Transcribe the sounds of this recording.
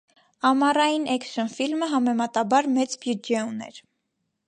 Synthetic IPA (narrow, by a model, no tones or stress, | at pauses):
ɑmɑrɑjinɛkʃənfilməɦɑmɛmɑt̪ɑbɑɾmɛt͡sbjud͡ʒɛunɛ̰ɾ